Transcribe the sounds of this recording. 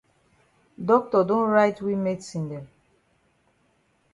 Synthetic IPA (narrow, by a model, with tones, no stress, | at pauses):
dɔ˦k̚tɔ˨dõ˦nɹa˦ɪtwi˦me˦tsĩ˨ndɛ˨m